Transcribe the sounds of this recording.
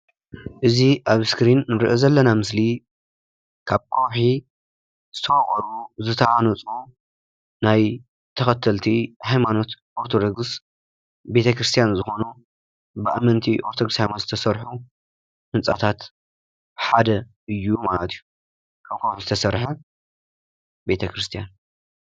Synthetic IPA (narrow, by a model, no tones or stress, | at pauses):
ʔɨziʔaβskɾinːɨɾɨ̰ʔezɐlːɐnamɨsli | kʰaβkʰowħi | z̥ɨt̪ʰɐfɐχʼɔɾuzɨt̪ʰɐʕanot͡sʼu | naj | t̪ʰɐxɐt̪ʰːɐlt̪ʰihajmano̞t̪ʔoɾt̪ʰo̞d̪oɡs | be̞t̪ʰɐkɾɨst̪ʰijanzɨxo̞nu | bɨʔa̰mɐnt̪ʰiʔoɾt̪ʰoɡɾɨshajmanzɨt̪ʰɐsɐɾħu | hɨnt͡sʼa̰t̪ʰat̪ | ħad̪ɐ | ɨjːumalɐt̪ʰɨjːu | kʰaβkʰowħizɨt̪ʰɐsɐɾħɐ | bet̪ʰɐkɾɨst̪ʰijan